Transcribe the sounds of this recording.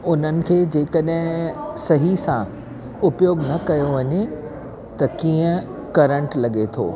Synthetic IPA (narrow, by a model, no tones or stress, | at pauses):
ʊn̤ənɪ̆kʰeːd͡ʑeːkəɗɦɪ̃sɐɦisã | ʊpjoːɡnɐkɐjoʋɐɲe | t̪ɐkiːə̃ | kɐɾə̃ɳʈlɐɠet̪ʰo̰ː